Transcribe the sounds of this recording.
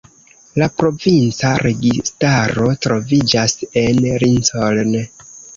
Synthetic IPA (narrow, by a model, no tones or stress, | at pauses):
lapɾo̞vint͡saɾe̞ɡistaɾo̞tɾo̞vid͡ʒase̞nɾinsoln